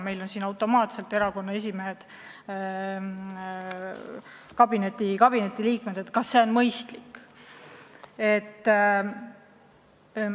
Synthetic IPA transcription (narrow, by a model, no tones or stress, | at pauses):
me̞jlo̞nsiːnɑwt̪ːˑo̞mɑːt̪se̞lt̪ːˑe̞ɾɑko̞nːɑe̞s̬ʲimeɦe̞d̪̥ | kɑb̥ine̞t̪ːˑikɑb̥ine̞t̪ːˑiliːkme̞d̪̥e̞t̪kɑsːeo̞nmɤjst̪likː | e̞t̪ː